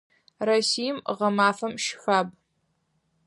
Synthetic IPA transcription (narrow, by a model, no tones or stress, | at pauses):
rɐsiːjmʁɐmaːfɐmʃfʷaːb